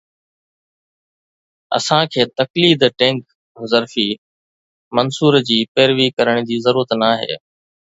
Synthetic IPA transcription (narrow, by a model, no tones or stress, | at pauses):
ɐ̰sãkʰeːt̪ɐkliːd̪ʈẽːŋk | ɦʊzəɾfiː | mɐnsuːɾd͡ʑiːpeːɾʋiːkɐɾəɽ̃d͡ʑiːzɐɾuːɾət̪naːɦḛː